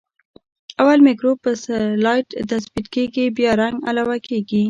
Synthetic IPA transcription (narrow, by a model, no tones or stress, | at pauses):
awalmɪkɾopːəslɑjʈt̪asbit̪keɡibjɑɾaŋɡa̰lawakeɡi